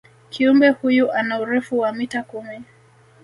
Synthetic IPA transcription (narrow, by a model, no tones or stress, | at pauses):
kʰiumbɛhujuʔanauɾɛfuwamitakumi